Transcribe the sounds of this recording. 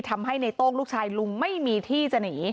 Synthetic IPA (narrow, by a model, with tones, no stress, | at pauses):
t̪ʰa˧mɦa˥˩jna˧jt̪oː˥˩ŋluː˥˩k̚t͡ɕʰaː˧jlu˧ŋma˥˩jmiː˧t̪ʰiː˥˩t͡ɕa˧niː˩˦